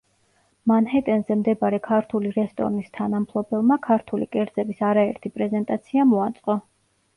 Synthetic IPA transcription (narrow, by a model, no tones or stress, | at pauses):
manhɛt̪ʼɛnzɛmd̪ɛbaɾɛkʰaɾt̪ʰuliɾɛst̪ʼɔ̰ɾnist̪ʰanampʰlˠɔbɛlˠmakʰaɾt̪ʰulḭkʼɛɾd̪zɛbisaɾaɛɾt̪ʰipʼɾɛzɛnt̪ʼat̪sʰiamɔat̪sʼqʼɔ